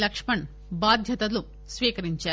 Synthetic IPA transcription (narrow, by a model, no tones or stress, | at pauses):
lɐkʂmɐɳ | baːd̪ʱjɐt̪ɐlu | sʋiːkɐɾiɲt͡ʃaː